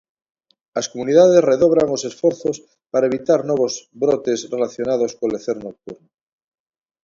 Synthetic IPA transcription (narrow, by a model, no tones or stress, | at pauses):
askomuniðað̞esreðoβɾaŋosesfoɾθos | paɾaeβ̞it̪aɾnoβ̞ozbɾot̪esrelaθjonaðoskoleθeɾnok̚t̪uɾno